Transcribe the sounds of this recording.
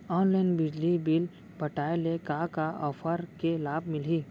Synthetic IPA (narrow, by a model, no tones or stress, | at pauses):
ɔːnlaɪnbɪd͡ʒlibil | pɐʈaːelekakaɔːfʰəɾkelaːbmɪliː